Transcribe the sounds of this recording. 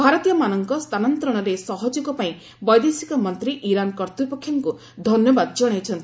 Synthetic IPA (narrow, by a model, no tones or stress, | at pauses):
bʱaɾɔt̪ijɔmanɔŋkɔst̪ʰanɔnt̪ɾɔɽ̃ɔɾesɔɦɔd͡ʒuɡɔpaĩ | bɔjd̪esikɔmɔnt̪ɾiʔiɾankɔɾt̪upɔkʰjɔŋku | d̪ʱɔnjɔbad̪ɔd͡ʒɔɽ̃et͡ʃʰɔnt̪ii